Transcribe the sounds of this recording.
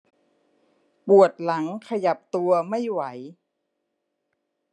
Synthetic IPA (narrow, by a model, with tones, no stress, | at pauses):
pu˨˩ət̪̚la˩˦ŋkʰa˧ja˨˩p̚t̪u˧ɐma˥˩jwa˩˦j